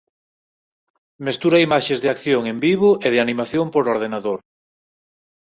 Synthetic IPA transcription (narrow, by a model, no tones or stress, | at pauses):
mest̪uɾaimaʃezðeakθjoŋembiβoʔeð̞ɪanimaθjompoɾoɾð̞enaðoɾ